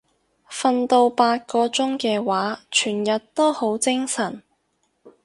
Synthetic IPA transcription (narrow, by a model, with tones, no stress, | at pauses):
fɐ˧nt̪o˧wpaː˧t̚kɔː˧t͡sʊ˥ŋkɛː˧waː˨˥t͡ʃʰyː˨˩njɐ˨t̚t̪o˥who˨˥wt͡sɪ˥ŋsɐ˨˩n